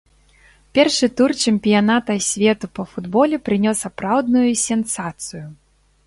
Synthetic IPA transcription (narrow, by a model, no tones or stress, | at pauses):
pʲɛrʂɨt̪urt͡ʃɛmʲpʲijanat̪ɐsʲvʲɛt̪upɐfud̪bɔlʲɛpɾɨnʲɔsapɾawd̪nujusʲɛnsat̪sɨju